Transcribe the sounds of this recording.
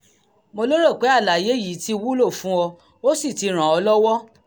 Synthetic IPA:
mo˧lo˦ɾe˦˨k͡pe˨˦a˦˨la˨je˨˦ji˨˦ti˦˧wu˦lo˦˨fũ˨˦wɔ˧ | o˦si˦˨ti˧˦ɾ̃ã˨ɔ˧lɔ˦wɔ˦

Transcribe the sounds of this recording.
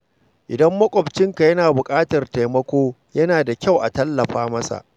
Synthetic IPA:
ʔɪ˨dɐ˦mːɐ˦kʷʼɔ˨bt͡ʃɪ˦ŋka˨jɐ˦naː˨bʊ˨kʼaː˦tɐ˨rta˨jmɐ˦kʷoː˦ | jɐ˦naː˨da˨kʲa˦˨wʔa˨tɐ˦lːɐ˨ɸaː˦mɐ˦sa̰˨ʔ

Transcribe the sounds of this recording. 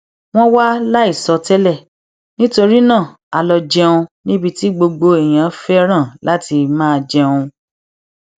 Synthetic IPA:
w̃ɔ̃˦wa˦la˦i˦˨sɔ˧tɛ˦lɛ˦˨ | nĩ˦to˧ɾi˦nã˦˨ | a˨lɔ˧d͡ʒɛ˧ũ˧nĩ˦bi˦˧ti˦ɡ͡bo˧ɡ͡bo˧e˨j̃ã˨˦fɛ˦ɾ̃ã˦˨la˨˦ti˧mãː˦˧d͡ʒɛ˧ũ˧

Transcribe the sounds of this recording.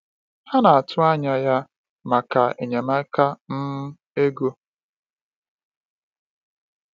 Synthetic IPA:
ha˦na˨a˨tʰʊ˦a˦ɲa˦ja˦ | ma˨ka˨ḛ˨ɲe˨ma˦ka˦n̩˦ | e˦ɡo˦

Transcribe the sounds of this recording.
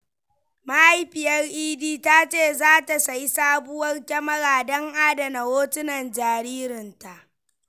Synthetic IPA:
ma˦ha˦jɸɪ˨jɐ˦rʔiː˦diː˦ta˦t͡ʃeː˦˨zaː˦ta˨sa˨ji˦saː˦bʊ˦wɐ˦rkʲɐ˦mɐ˦ɽaː˨dɐ˦ŋʔaː˦dɐ˨na˨woː˦tɪ˦nɐ˨nd͡ʒaː˨ɾiː˦ɾɪ˨nta˨ʔ

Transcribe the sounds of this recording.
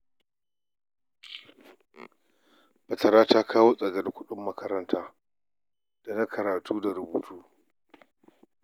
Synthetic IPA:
bɐ˨tɐ˨ɾaː˦taː˦kʰaː˦woː˦sʼɐ˨ɡɐ˦dkʷʊ˦ɗʊ˦mːɐ˦kɐ˦ɾɐ˦ntʰaː˦ | d̥a˨na˦kʰɐ˨ɾaː˨tʰuː˦da˨ɾʊ˨buː˨tʰuː˦

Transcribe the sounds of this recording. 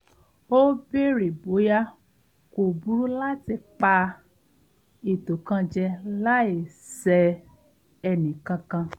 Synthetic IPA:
o˦be˦ɾe˨bo˨˦ja˦ | ko˨bu˨˦ɾu˦la˦ti˧k͡pa˧ | i˨to˨kã˧d͡ʒɛ˧la˦e˨ | sɛ˧ | ɛ˧nĩ˨kã˧kã˧

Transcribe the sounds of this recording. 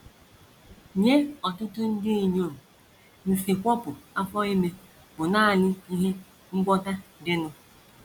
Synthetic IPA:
ɲe˦ɔ˨tʊ˦tʊ˦n̩˦dɪ˦i˨ɲo˦˨m̩˨ | n̩˨si˨kʷɔ˦pʊ˨a˦fɔ˦i˦me˦ | bʊ˨naː˦˨lɪ˦i˦ɦe˦ | ŋ͡m̩˦ɡ͡bʷɔ˦ta˦dɪ˦nʊ˦

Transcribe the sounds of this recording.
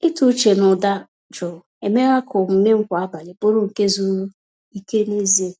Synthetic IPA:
ɪ˦tu˦t͡ʃe˨nʊ˨da˦ | d͡ʒɔ˨ | e˨me˦ɣa˦kʰʊ˨m̩˨ne˦ŋ̩˦kʷa˨a˦ba˨lɪ˨bo˦ɾʊ˦ŋ̩˨ke˦zu˦ɾ | i˦ke˦ni˦ze˦

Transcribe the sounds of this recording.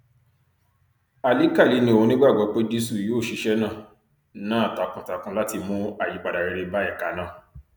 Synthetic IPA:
a˨li˦ka˦˨li˨˦nĩ˧˦o˨õ˧nĩ˦ɡ͡ba˦˨ɡ͡bɔ˨˦k͡pe˦d͡ʒe˦su˦˨joː˦˨ʃi˨˧ʃɛ˦nãː˦˨ | nã˦a˦˨ta˨˦kũ˨ta˨˦kũ˧˦la˦ti˧mũ˦a˦˨ji˨˦k͡pa˨da˨ɾɛ˧ɾe˧ba˦ɛ˦˨ka˨˦nã˦˨

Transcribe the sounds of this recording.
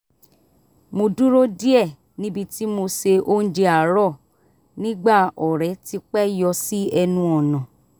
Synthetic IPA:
mo˧dũ˦ɾo˦di˦ɛ˦˨ | nĩ˦bi˧ti˦mo˧se˧ʔo˦n̩˦d͡ʒe˧a˨ɾɔ˦˨ | nĩ˦ɡ͡ba˦˨ɔ˨ɾɛ˨˦ti˧k͡pɛ˦jɔ˧si˦ɛ˧nũ˧ɔ˨nã˨

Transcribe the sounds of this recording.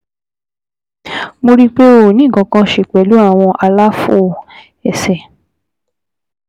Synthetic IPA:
mo˧ɾi˦k͡pe˦o˨nĩ˨˦˨ɡɔ̃˨˧˦kã˧ʃe˨k͡pɛ˨˦lu˨˦a˦˨w̃ɔ̃˧ʔa˧la˦fo˦˨ | ɛ˨sɛ˨

